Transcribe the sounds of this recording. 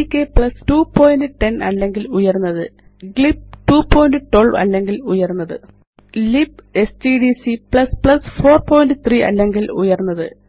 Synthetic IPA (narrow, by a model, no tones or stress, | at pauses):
ikːepɭɐstuːpo̞ːjndɨʈe̞nɐ̰lːe̞ŋɡilujɐrunːɐðɨ | ɡɭip̚ʈuːpoːjndɨʈoɭʋɐ̰lːe̞ŋɡilujɐrunːɐðɨ̰ | lipe̞stiɖisipɭɐspɭɐsfo̞ːrpo̞ːjndɨt̪riʔɐ̰lːe̞ŋɡilṵjɐrunːɐðɨ